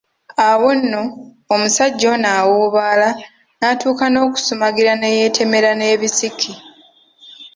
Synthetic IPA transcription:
awo̞nːo̞ː | musaɟːo̞naːwuːβaːla | natuːkano̞ːku̥sumaɡiɾane̞je̞ːtʰe̞me̞ɾane̞ːβisikʰi

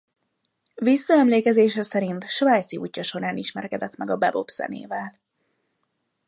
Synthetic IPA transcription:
visːɒɛmleːkɛzeːʃɛsɛɾint̪ʃʋaːjt̪siṵːcːɒʃo̞ɾaːniʃmɛ̰rkɛd̪ɛt̪mɛɡɒbɛbo̞̰pz̥ɛ̰nḛːvɛl

